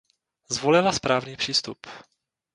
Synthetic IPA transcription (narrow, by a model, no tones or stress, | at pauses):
zvolɪlaspɾaːvniːpr̥iːst̪up